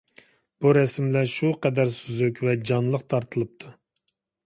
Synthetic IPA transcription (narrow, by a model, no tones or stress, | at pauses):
b̥uɾɛsmlæʃuqɛd̪æɾsyzykʲvɛd͡ʒɑnlˠəqt̪ʰɑɾt̪ʰɨlˠɨp̚t̪ʰu